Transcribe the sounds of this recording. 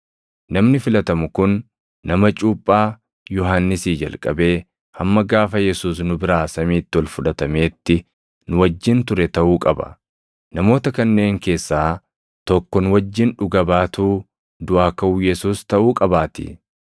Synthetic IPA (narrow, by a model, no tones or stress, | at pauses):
nɐmnɪfɪlɐt̪ɐmʊkʊnː | ɐmɐt͡ʃʼuːpʼːaː | jɔɦanːɪsiːd͡ʒɐ̰lkʼɐ̰be̞ː | hɐmːɐɡaːfɐjɛsuːs̬nʊbɪɾaːsɐmiːt̪ːɪwɐlfʊᶑɐt̪ɐme̞ːt̪ːɪ | nʊwɐd͡ʒːɪnt̪ʊɾɛt̪ɐʔuːkʼɐbɐ̰ | nɐmo̞ːt̪ɐkɐnːe̞ːŋke̞ːsːaː | t̪ɔkːɔnʊwɐd͡ʒːɪnᶑʊɡɐbaːt̪uː | d̪ʊʔaːkɐʔuːjɛsuːst̪ɐʔuːkʼɐbaːt̪ɪ̰